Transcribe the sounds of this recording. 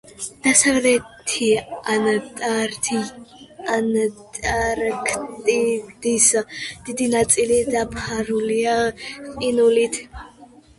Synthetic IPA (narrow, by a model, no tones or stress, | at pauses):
d̪̥asavlɛt̪ʰianat̪ʼaɾt̪ʰi | anat̪ʼaɾkʰt̪ʼid̪̥isad̪̥id̪inat͡sʼilid̪apʰaɾuliaqʼinulit̪ʰ